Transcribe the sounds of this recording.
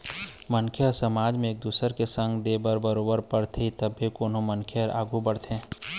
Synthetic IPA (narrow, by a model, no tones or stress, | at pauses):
mənkʰjeɔɾsəmaːd͡ʒmẽeːk̚d̪uːsəɾkesə̃ŋɡd̪eːbəɾbəɾoːbəɾpəɽt̪ʰeit̪əbʱikoːnõmənkʰeəɾa̰ːɡubəɽt̪ʰẽː